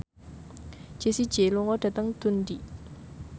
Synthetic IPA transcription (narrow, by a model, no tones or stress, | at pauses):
t͡ɕʰesit͡ɕeloŋwɔʈ͡ʂat̪aŋt̪ʰunɖ͡ʐiʔ